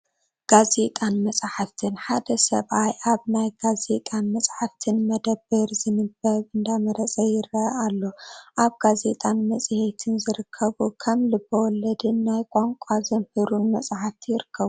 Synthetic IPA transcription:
ɡ̥aze̞t̪ʼanmɐsʼaħaft̪ʰɨnħad̪ɐsɐ̰βajʔaβnajɡaze̞t̪ʼanmɐsʼħaft̪ʰɨnmɐd̪ɐbːɨɾzɨnɨbɐɾɨnd̪amɐɾɐt͡sʼɐjɪɾɐʔalːo̞ʔaβɡaze̞t̪ʼanmɐsʼhet̪ʰɨnzɨɾɨkʰːɐβukʰɐmlɨbɐwɔlɐd̪ɨnːajkʼaŋkʷʼazɐmhɨɾunmɐsʼaħaft̪ʰijɪɾɨkʰːɐβu

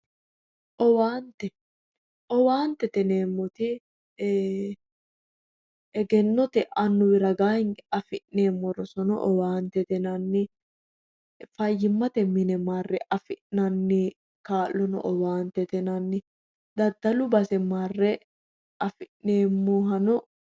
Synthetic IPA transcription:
ʔɔwaːnt̪ɛ | ʔɔwaːnt̪ɛt̪ɛneːmːɔt̪ɪ | ɛɡɛnːɔt̪ɛʔɐnːʊwɪɾɐɡaːɪnɐfɪʔneːmːɔɾɔsɔnɔ̰ʔɔwaːnt̪ɛt̪ɛnɐnːɪ | fɐjːɪmːɐt̪ɛmɪnɛmaːrːɛʔɐfɪʔnɐnːɪ | kaːlːɔnɔ̰ʔɔwaːnt̪ɛt̪ɛnɐnːɪ | d̪ɐd̪ːɐlʊbɐsɛmaːrːɛ | ʔɐfɪʔneːmːoːɦɐnɔ

